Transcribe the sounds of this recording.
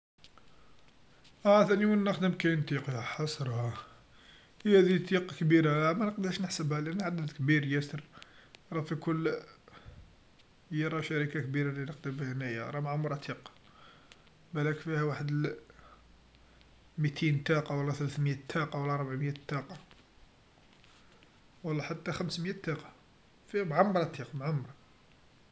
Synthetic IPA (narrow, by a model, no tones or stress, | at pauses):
ʔæθæniwənːəxd̪əmkæjnt̪iqjæħɑsˤɾˤhɑ | æd̪it̪iqɑkbiɾamænəqd̪ɾʃnəħsəbhælʔænːʕad̪ːəd̪kbiɾjæsəɾɾˤɑfikʊlː | jəɾˤɑʃaɾikakbiɾalinəqd̪əmbhnːæjə̰ɾˤɑmʕamɾˤɑt̪ʰiq | bælækfihæwaħəd̪əl | mit̪ʰint̪ɑqɑwɑlːɑθəlæθməjæt̪ʰːɑqɑwɑlːɑʔɑɾˤbaʕmjæt̪ːɑqɑ | wɑlˤːɑħat̪ːæxæmsmjæt̪ːɑqɑ̥ | fihæmʕamɾˤɑt̪iqmʕʊmɾˤɑ